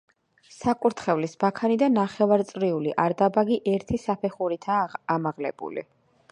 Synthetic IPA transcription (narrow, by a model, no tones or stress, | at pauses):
sakʼuɾt̪ʰχɛvlisbakʰanid̪anːaχɛvaɾt̪sʼɾiuliʔaɾd̪abaɡiʔɛɾt̪ʰisapʰɛχuɾit̪ʰaːmaʁlɛ̰bṵlḭ